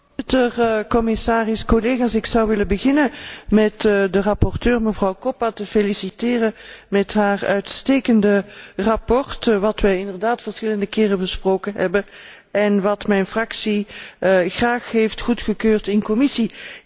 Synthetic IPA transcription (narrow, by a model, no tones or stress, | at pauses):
tərkɔmɪsaːrɪskɔleɣaːsɪksɑwʋɪləbəɣɪnəmɛtdərɑpɔrtøːrməvrɑwkɔpatəfelisitɪːrəmɛtɦaːrœɥtsteːkəndərɑpɔrtʋɑtʋɛjɪndərdaːtfərsxɪləndəkɪːrəbəsproːkənɦɛ̰bə | ɛnʋɑtmɛjnfrɑksi | xraːxɦeftxutxəkøːrtɪnkɔmɪsi